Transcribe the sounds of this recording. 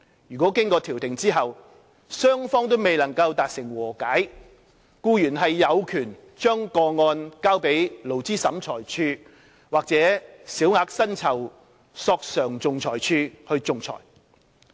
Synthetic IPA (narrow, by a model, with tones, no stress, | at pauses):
jyː˨kɔː˨˥kɪ˥ŋkɔː˧t̪ʰiː˨˩wt̪ɪ˨˩ŋt͡siː˥ɦɐ˨w | sœː˥ŋfɔː˥ŋt̪̬o˥wme˨jlɐ˨˩ŋkɐ˧wt̪aː˨t̚sɪ˨˩ŋwɔː˨˩kaː˨˥j | kuː˧jyː˨˩nɦɐ˨jːɐ˨˧wkʰyː˨˩n | t͡ʃœː˥ŋkɔː˧ŋɔː˧nkaː˥wpe˨˥jlo˨˩wt͡siː˥sɐ˨˥mt͡sʰɔː˨˩jt͡ʃʰyː˧ | waː˨k̚t͡sɛː˨˥siː˨˥wŋaː˧k̚sɐ˥nt͡sʰɐ˨˩w | sɔː˧k̚sœː˨˩ŋt͡sʊ˨ŋt͡sʰɔː˨˩jt͡ʃʰyː˧hɵ˧ɥt͡sʊ˨ŋt͡sʰɔ̰ː˨˩j